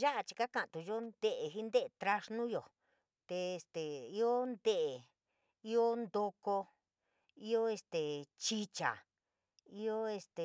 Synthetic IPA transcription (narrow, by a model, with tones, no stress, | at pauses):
ʒa˦ʔa˧t͡ʃi̥˧ka˦kã˧˨˧t̪u˧jo˦nd̪̥e˦ʔe˨ɦi˦nd̪e˦ʔt̪ɾa˧ʂnũ˦jo˨ | t̪e˧e˧st̪e˨i˦o˦nd̪e˦ʔ | i˦o˦nd̪o˧ko˧ | i˦o˦e˧st̪e˨t͡ʃi˦t͡ʃa̰˨ | i˦o˦e˧st̪e˨